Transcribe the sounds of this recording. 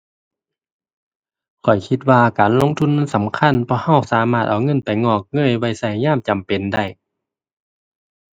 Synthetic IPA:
kʰɔ˨˩jkʰi˧t̪̚waː˧kaː˨nlo˧˥˨ŋt̪ʰu˧˥˨nːɤ˧˥˨nsa˨˦mkʰa˧˥˨npʰɔː˧˥˨ha˧˥˩wsaː˨˦maː˧˩t̪̚ʔa˨˩wŋɤ˧˥˨npa˨jŋɔː˧˩k̚ŋɤ˧˥˨jwa˧˥˩jsa˧˩jɲaː˧˥˨mt͡ɕa˨mpe˨nda˧˩j

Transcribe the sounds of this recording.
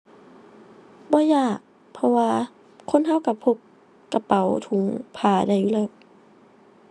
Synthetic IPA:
bɔː˧˦jaː˧˩k̚ | pʰɔ˧waː˧ | kʰo˧˥˨nɦa˧˥˩wka˧˩pʰo˧˥p̚ | ka˧˩pa˨˦wt̪ʰu˨˧˦ŋpʰaː˧˩da˧˩juː˧˨lɤː˧˩w̚

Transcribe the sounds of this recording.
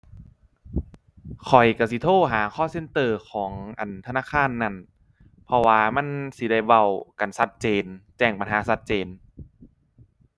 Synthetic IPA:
kʰɔ˨˩jka˧˩si˧˦t̪ʰoː˧˥˩ɦaː˩˦kʰɔː˥˩se˧˥˨nt̪ɤː˧˩kʰɔː˩˦ŋʔa̰˨˩nt̪ʰnaː˧˥˨kʰaː˧˥˨nːa˧˥˩n | pʰɔ˧waː˧ma˧˥˨nsi˧˦da˧˩jwa˧˩˨wka˨˩nsa˧˦t̪̚t͡ɕeː˧nt͡ɕɛː˧˩ŋpa˧nɦaː˨˦sa˧˥t̪̚t͡ɕeː˧n

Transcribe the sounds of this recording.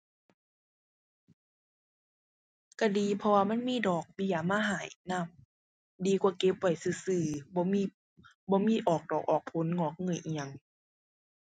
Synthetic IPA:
ka˧˩diː˨pʰɔ˧waː˧ma˧˥˨nmiː˧˥˨dɔː˨˩k̚bi˧˨a˨maː˧˥˨ɦaː˨˩˦jna˧˨m | diː˨˧kwaː˧˩˦ke˧˦p̚wa˧˩jsɯː˧˩sɯː˧˩bɔː˧˦miː˧˨ | bɔː˧˦miː˧˥˨ʔɔː˨˩k̚dɔː˨˩k̚ʔɔː˨˩k̚pʰo˨˦nŋɔː˧˦k̚ŋɤ˧˩˨jʔi˨a˧˨ŋ

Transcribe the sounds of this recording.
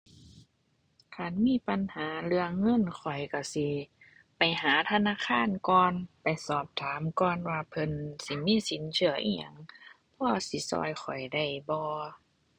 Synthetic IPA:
kʰa˧˩˨nmiː˧˥˨pa˨nhaː˨˦lɯ˧əːɤ˧˥˨nkʰɔ˨˩jka˧˩si˧˦ | pa˨jɦaː˨˦t̪ʰa˧˨naː˧˥˨kʰaː˧˥˨nkɔː˧npa˨jsɔː˧˩p̚t̪ʰaː˨˦mkɔː˧˩nwaː˧pʰɤ˧nsi˧˦miː˧˥˨si˨˦nsʰɯ˧˦əʔḭ˧ɲa̰˧˩˨ŋ | pʰɔː˧˩si˧˦sɔ̰ː˧˩jxʰɔ˨˩jda˧˩jbɔː˧

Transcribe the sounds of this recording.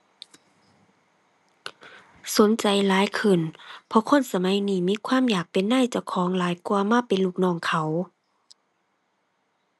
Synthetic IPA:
so˨˦nt͡ɕa˨jlaː˨˦jkʰɯ˧˩˨npʰɔ˧˦kʰo˧˥˨nsa˧ma˨˦˥jniː˧˩miː˧˥˨kʰwaː˧˥˨mjaː˨˩k̚pe˨nːaː˧˥˨jt͡ɕa˧˩wkʰɔː˨˦ŋlaː˨˦jku˧ɐmaː˧˥˨pe˨nluː˧˩k̚nɔː˧˩ŋkʰa˨˩w

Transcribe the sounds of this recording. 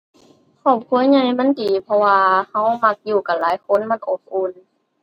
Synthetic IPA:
kʰɔː˧˩p̚kʰu˧˦ə˦jɲa˧˩jma˧˥˨ndiː˨˩pʰɔ˧waː˧ha˧˥˩wma˧˥k̚juː˧˩ka˨˩nlaː˨˦jkʰo˧˥˨nma˧˥˨nʔo˧˩p̚ʔuː˧˩˨n

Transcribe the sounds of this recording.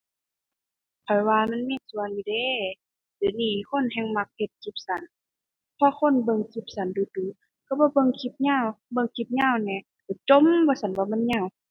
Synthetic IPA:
pʰɔ˨˩jwaː˧ma˧˥˨nmiː˧˥˨su˧˨ənːiː˧de˧˨ | dɯː˨˦niː˧˩˨kʰo˧˥˨nɦɛ˧˨ŋma˧k̚he˧t̪̚kʰi˧˦p̚sa˨˦n | pʰɔ˧˨kʰo˧˥˨nbɤ˧˨ŋkʰi˧˦p̚sa˨˦nduː˧˦duː˨˦ | ka˧˩bɔː˧˦bɤ˧˨ŋkʰi˧p̚ɲaː˧˥˨wbɤ˧˨ŋkʰi˧˦p̚ɲaː˧˥˨wnɛː˧˨ | ka˨˩t͡ɕo˧˨mbɔː˧˦sa˨˦nwaː˧˨ma˧˥˨nɲaː˧˩˨w

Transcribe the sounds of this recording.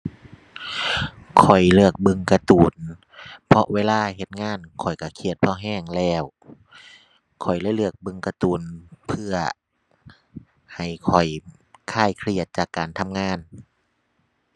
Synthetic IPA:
kʰɔ˨˩jlɯ˧˩ək̚bɯ˧ŋka˧t̪uː˨˩n | pʰɔ˧ʔweː˧˨laː˧˥˩he˧t̪̚ŋaː˧˥˨nkʰɔ˨˩jka˧˩kʰi˧˩ət̪̚pʰɔː˧˥˩ɦɛː˧˥˩ŋlɛː˧˩w | kʰɔ˨˩jlɛː˧˥˨jlɯ˧˩ək̚bɯ˧ŋka˧t̪uː˨˩npʰɯ˧˩ɐ | ha˨˩jkʰɔ˨˩j | kʰaː˧˩jkʰli˧˩ət̪̚t͡ɕaː˨˩kːaː˨˩nt̪ʰa˧˥mŋaː˧˥˨n

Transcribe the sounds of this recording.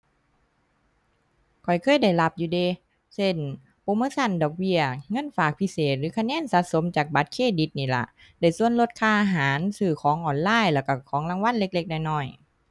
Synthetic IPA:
kʰɔ˨˩jkʰɤː˧˥˨jda˧˩jla˧˩p̚juː˧˩de˧˨ | se˧˩˨n | po˧˨moː˧˥˨sa˧˥˨ndɔː˨˩k̚bi˧˩ɐŋɤ˧˥˨nfaː˨˩k̚pʰi˧˥seː˨˩t̪̚lɯː˨˦kʰa˧˨nɛː˧˥˨nsaː˧˦t̪̚so˨˦mt͡ɕaː˨˩k̚ba˨˧˦t̪̚kʰeː˧˩di˧˦t̪̚niː˧˩la̰˧˩ʔ | da˧˩jsu˧˨ənlo˧t̪̚kʰaː˧˩ʔaː˧ɦaː˨˦nsɯː˧˩kʰɔː˨˦ŋʔɔː˨˩nlaː˧˨jlaː˧˩ka˧˩kʰɔː˨˦ŋla˧˨ŋwa˧˥˨nle˧˥k̚le˧k̚da˧˩jnɔ˧˩j

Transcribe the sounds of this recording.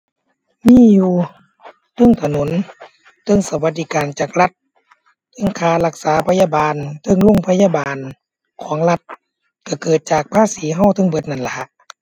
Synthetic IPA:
miː˧˥˨juː˧˩ | t̪ʰɤ˧˥˨ŋt̪ʰa˧no˨˦n | t̪ʰɤ˧˥˨ŋsa˧˦wa˧˦t̪̚d̪iː˧kaː˨nt͡ɕaː˨˩k̚la˧˦t̪̚ | tɯ˧˥˨ŋkʰaː˧˩la˧˩k̚saː˨˦pʰa˧jaː˧baː˨nt̪ʰɤ˧˨ŋlo˧˥˨ŋpʰa˧jaː˧˨baː˨n | kʰɔː˩˦ŋla˧t̪̚ | ka˧˩kɤː˨˩t̪̚t͡ɕaː˨˩k̚pʰaː˧˥˨siː˨˦ɦa˧˩wt̪ʰɤ˧˥˨ŋbɤ˧˦t̪̚na˧˩nla˧ʔ

